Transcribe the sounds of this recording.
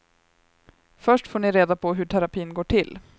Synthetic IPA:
fœʂʈfoːɳɪɾeːd̪apʰɔɦɵʈʰæɾapʰiːnɡoːʈʰɪl

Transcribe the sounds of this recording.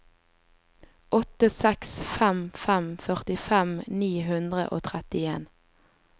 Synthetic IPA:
ʔɔt̪əsɛksfæmfæmfœʁt̪ɪfɛmniːɦʉnd̪ʁə̰ʔo̰ːt̪ʰʁɛt̪ɪeːn

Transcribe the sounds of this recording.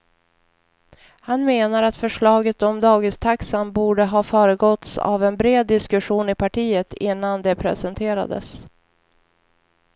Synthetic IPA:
hanmeːnaɾat̪fœʂɭɑːɡət̪ɔmd̪ɑːɡɪst̪ʰaksanbuːɖəɦɑːfœːɾəɡɔt̪sa̰vɛnbɾeːd̪ːɪskɵɧuːnɪpʰaʈʰiːət̪ɪnːand̪ɛpʰɾɛ̰sɛnt̪ʰeːɾa̰d̪ə̰s

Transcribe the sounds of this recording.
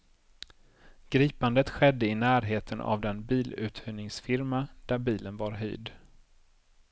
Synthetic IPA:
ɡ̥ɾiːpand̪ət̪ɧɛd̪ːəɪnæːɾɦeːt̪ʰəna̰vd̪ɛnbiːlʉ̟̰ːt̪hœnɪŋsfɪɾmad̪̥æɾbiːlənvaɾɦœ̰jd̪

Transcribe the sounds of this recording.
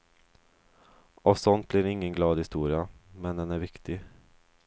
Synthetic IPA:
ʔɔsɔnt̪̚bliːɾɪŋːənɡlɑːd̪hɪst̪uːɾɪamɛnd̪ɛnæɾvɪkt̪ɪ

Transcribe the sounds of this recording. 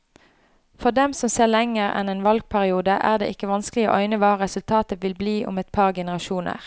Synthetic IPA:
fɔʁd̪ɛmsɔmseːʁlɛŋəʁɛ̰neːnʋɑlɡ̚pʰæʁɪuːd̪əʔæ̰ːʁd̪ḛːʔɪkəʋɑnsklɪo̰ːʔœʏnəʋɑːʁɛsʉlt̪ʰɑːt̪əʋɪlbliːʔʊ̰mɛt̪̚pʰɑːʁɡɛnəʁɑʃuːnə̰ʁ

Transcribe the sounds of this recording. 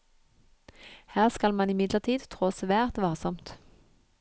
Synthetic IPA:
hæːʁskɑlmɑnɪmɪd̪ləʁt̪ʰiːd̪t̪ʰʁoːsʋæːʁt̪ʋɑːʁsɔmt̪

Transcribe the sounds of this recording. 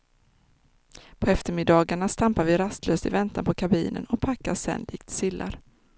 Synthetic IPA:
pʰɔɛft̪əɾmɪd̪ɑːɡaɳast̪ampaɾvɪɾast̪ʰløːst̪ɪvɛnt̪anpʰɔkʰabḭːnə̰nɔpʰakːasɛ̰nd̪ɪːkt̪sɪlːʔa̰ɾ

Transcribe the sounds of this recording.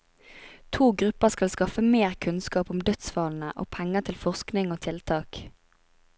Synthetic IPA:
t̪ʰuːɡʁʉpəskɑlskɑfəmeːʁkʰʉnskɑːpʊmd̪œt̪sʋɑːln̩əʔo̰ːpʰɛŋət̪ʰɪlfɔʁsknɪŋoːt̪ʰɪlt̪ʰɑːk

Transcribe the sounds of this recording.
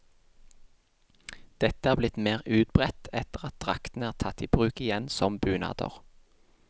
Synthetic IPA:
d̪̥ɛt̪əæːʁblɪt̪meːʁʉːt̪̚bʁɛt̪ɛt̪əʁɑt̪̚d̪̥ʁɑkt̪n̩æːʁt̪ʰɑt̪iːbʁʉːkɪjɛnsɔmbʉːnɑ̰ːd̪̥ə̰ʁ

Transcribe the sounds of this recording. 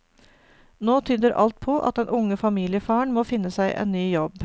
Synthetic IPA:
noːt̪ʰyːd̪əɾʔɑ̰lt̪̚pʰɔʔɑ̰t̪d̪ɛnʔʊŋəfɑmiːlɪəfɑːəɳmoːfɪnːəsæɪʔḛnnyːjɔb

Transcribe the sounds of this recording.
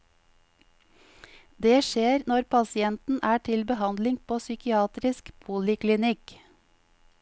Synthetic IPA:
d̪eːʃeːɾnɔɾpʰɑsɪɛnt̪n̩ʔæːʈʰɪlbəhɑnd̪lɪŋpʰoːsʏkɪɑːt̪ɾɪskbʰuːlɪklɪnɪk

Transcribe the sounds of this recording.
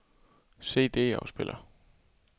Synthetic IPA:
se̝̰ːd̥e̝ːɑʊsb̥elʔɐ

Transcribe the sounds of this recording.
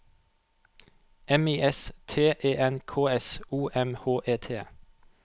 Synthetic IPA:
ʔɛmiːʔɛst̪ʰeːʔeːʔɛnkʰoːɛsuːʔɛmhoːʔeːt̪ʰeː

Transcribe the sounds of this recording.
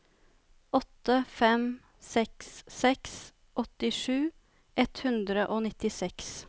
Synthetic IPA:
ɔt̪ːəfɛm | sɛksːɛks | ʔɔt̪ɪʂʉː | ʔɛt̪hʉnd̪ɾəʔoːnɪt̪ɪsɛks

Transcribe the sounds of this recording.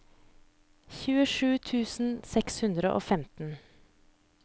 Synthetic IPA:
çʉːəʂʉːt̪ʰʉːsn̩sɛkshʉnd̪ɾəʔo̰ːfɛmt̪n̩

